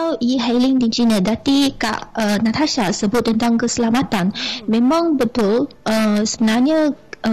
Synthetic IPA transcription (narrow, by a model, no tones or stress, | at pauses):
awʔiɦalɪŋdind͡ʒinədat̪ika̰ʔənat̪ʰaʃasəbʊt̪̚ːənt̪aŋkəsəlamat̪anmẽmãŋbət̪ʊlʔəsəbənarɲə̃